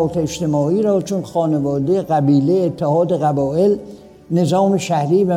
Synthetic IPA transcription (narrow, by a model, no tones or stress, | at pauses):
t̪ʰeeʃt̪e̞mɒːiːɾɒːt͡ʃʰonxɒːnevɒːd̪ejeɣæbiːleet̪ʰːehɒːd̪eɣæbɒːʔe̞l | ne̞zɒːmeʃæhɾiːvæ